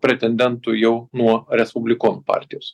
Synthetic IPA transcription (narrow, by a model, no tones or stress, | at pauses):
pʲɾʲɛt̪ʲɛnʲd̪ʲɛnt̪ʊjɛʊnuɔɾʲɛspʊbʲlʲɪkoːnpɑ̰ːˑɾʲt̪ʲɪjoːs